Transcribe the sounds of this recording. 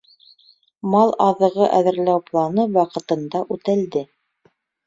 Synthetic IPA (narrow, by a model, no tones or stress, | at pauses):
mɑlˠɑðɤ̆ʁɤʔæðɘ̆ɾlæwplˠɑnɤwɑqɤ̆t̪ɤ̆nd̪ɑʔʉt̪æld̪ɘ